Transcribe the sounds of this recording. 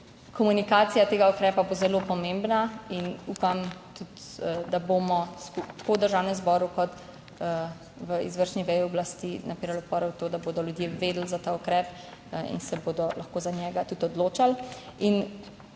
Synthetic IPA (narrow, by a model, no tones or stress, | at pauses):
kɔmunikaːt̪sijat̪eːɡaukɾɛːpabozɛlopɔmembnainuːpamt̪ut̪d̪abomɔskupt̪ḁkod̪əɾʒaːwnɛmzbɔːɾukɔt̪ | ʋəḭzʋəɾʃniʋɛjiɔblast̪inʔapiːɾalɔpɔːɾɛwt̪oːd̪aboːd̪ɔljud̪jeʋed̪l̩zat̪aukɾɛːp | ḭnsɛboːd̪ɔlʔaxkoːzanjɛːɡat̪ut̪ɔd̪loːt͡ʃalin